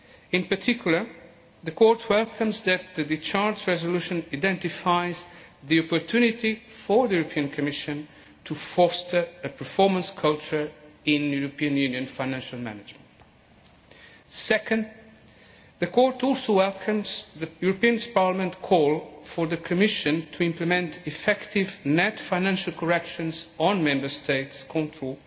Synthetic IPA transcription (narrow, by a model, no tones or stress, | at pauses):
ɪ̃npə˞tʰɪkʰjulə˞ | ðəkʰɔɹtʰwɛlkʰə̃mzðæt̪̚ðɨd̪ɪt͡ʃaɹd͡ʒɹɛzəluʃə̃naɪdɛ̃ntɪfaɪzðiɔpɔɹt̪ʰunit̪ifəɹðəjuɹɔpʰiə̃nkʰɔmɪʃɨ̃n | tʰufɔstə˞əpʰəɹfɔɹmə̃nskʰolt͡ʃə˞ɪ̃njuɹɔpĩɨ̃njʉ̃njɨ̃nfaɪnæ̃nʃalˠmæ̰nɪd͡ʒmə̃nt | sɛkə̃nd̪ | ðɨkʰɔɹtɔlˠsowɛlˠkʰə̃mzðəjuɹəpĩə̃nspaɹlamə̃ntkʰɔlˠfəɹðəkʰɨmɪʃɨ̃ntʰuɪ̃mplɨmɛ̃ntʰɪfɛktʰɪvnɛtfãɪnæ̃nʃəlˠkʰɔɹɛkʃɨ̃nzɔ̃nmɛ̃mbə˞stʰeɪtskʰɔ̃ntʰɹol